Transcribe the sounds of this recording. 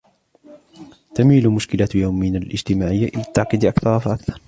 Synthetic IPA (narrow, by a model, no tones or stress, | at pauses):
t̪amiːlʊmʊʃkɪlajawminalʔɪ̰d͡ʒt̪ɪmaːʕɪjːaʔɪlat̪ːaʕqiːd̪ʔakθɑɾˤɑfaʔakθɑɾˤ